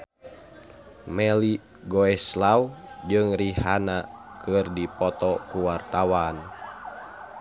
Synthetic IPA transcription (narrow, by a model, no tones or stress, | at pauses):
mɛli | ɡɔɛslawd͡ʒɨŋrihanakɨrdipɔt̪ɔkuwart̪awan